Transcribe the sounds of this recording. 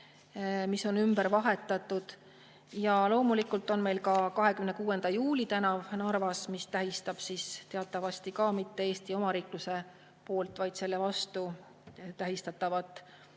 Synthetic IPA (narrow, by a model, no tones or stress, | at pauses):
miso̞nymb̥əɾvɑɦe̞t̪ːˑɑt̪ːˑud̪̥ | jɑlo̞ːmulikːˑult̪ːˑo̞nme̞jlkɑkɑɦe̞kymnekuːe̞nd̪̥ɑjuːlʲit̪ænɑvnɑrvɑsmist̪æɦist̪ɑb̥sist̪eɑt̪ːˑɑvɑst̪ikɑmit̪ːe̞eːst̪io̞mɑɾiːkluse̞ | po̞ːlt̪ˑvɑjd̪̥se̞lːevɑst̪u | t̪æɦist̪ɑt̪ːˑɑvɑt̪ːˑ